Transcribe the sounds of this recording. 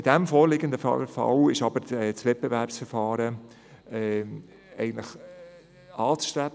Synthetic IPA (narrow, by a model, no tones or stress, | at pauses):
ɪdæmfoːɾlɪɡənd̪əfɑ̰fɑ̰wɪʃɑbəɾɛt͡sʋɛt̚pevæɾpsfəɾfɑːɾə | ɛ | ɛ̰ɪɡən̩tləχ | ɑːt͡sʃtɾæb